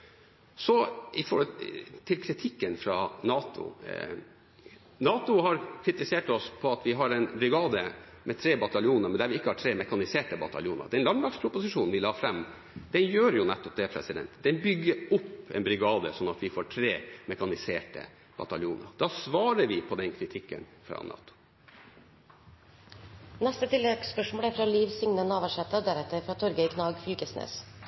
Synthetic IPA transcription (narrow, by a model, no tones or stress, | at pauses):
sɔɪfɔɾhɔlt̪ʰːɪlkʰɾɪt̪ʰɪkːənfɾɑnɑːt̪ʰʊ̰ | nɑːt̪ʊhɑɾkʰɾɪt̪ɪseːʈɔspʰɔɑt̪ʋɪɦɑɾɛnbɾɪɡɑːd̪ə | mʔɛt̪ʰɾeːbɑt̪ɑljuːnəɾmɛnd̪æɾʋɪɪkːəhɑʈʰɾeːmɛkɑnɪseːʈəbɑt̪ɑljuːnə̰ɾd̪ɛnlɑnlɑkspʰɾʊpʊsɪʂuːnʋɪlɑːfɾɛmː | d̪ɛnjøːɾjʊnɛt̪ːɔp̚d̪ɛpʰɾɛ̰sɪd̪ɛ̰nt̪d̪ɛnbʏɡːəɾʊpːɛ̰nbɾɪɡɑːd̪əsɔnːɑt̪ʋɪfoːʈʰɾeːmɛkɑnɪseːʈə̰ | bɑ̰t̪ɑljuːnə̰ɾd̪̥ɑːsʋɑːɾəʋɪpʰɔd̪ɛnkʰɾɪt̪ʰɪkːə̰nfɾɑ̰ːnʔɑ̰ːt̪ːʊ̥ | nɛst̪ət̪ʰɪlːɛɡspœʂmoːləæɾfɾɑːliːʋsʏŋnənɑːʋəʂɛt̪ːəd̪æɾɛt̪ːəɾfɾɑːt̪ʰɔɾɡəɪkʰnɑːɡfyːɡəsnḛːs